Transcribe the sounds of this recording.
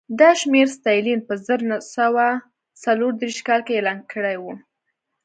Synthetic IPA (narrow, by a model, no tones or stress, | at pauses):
d̪ɑʃmeɾst̪ɑjlinpəzəɾnasawa | t͡saloɾd̪ɾiʃkɑlkeːlɑnkəɽajwu